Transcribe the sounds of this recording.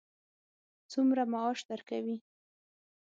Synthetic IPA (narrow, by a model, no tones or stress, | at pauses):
t͡sumɾamaɑʃd̪aɾkawi